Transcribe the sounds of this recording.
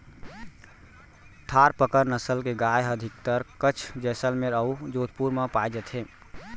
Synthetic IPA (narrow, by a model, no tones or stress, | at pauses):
t̪ʰaɾpəkəɾnəsəlkeɡajəd̪ʱik̚t̪əɾkət͡ʃʰd͡ʒɛsəlmeɾəud͡ʒot̪̚puɾməpajd͡ʒət̪ɦe